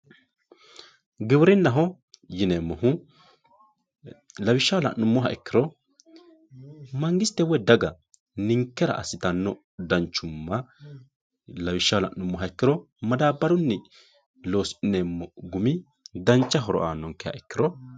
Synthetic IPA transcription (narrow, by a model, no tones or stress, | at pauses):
ɡɪwɾɪnːɐɦɔ | jɪneːmːɔɦʊ | lɐwɪʃːɐwlɐ̰nːʊmːɔɦɐɛkːɪɾɔ | mɐŋɡɪst̪ːɛwɔd̪ɐɡɐ | nɪŋkːɛɾɐ̰ʔɐsɪt̪ɐnːɔ | d̪ɐnt͡ʃːʊmːɐ | lɐwɪʃːɐwlɐ̰ʔʊmːɔɦɐɛkːɪɾɔ | mɐd̪aːbːɐɾʊnːɛ | lo̞ːsɪnemːɔɡʊmɪ | d̪ɐnt͡ʃːɐɦɔɾɔ̰ʔaːnːɔŋkːɛjɐ̰ʔɛkːɪɾɔ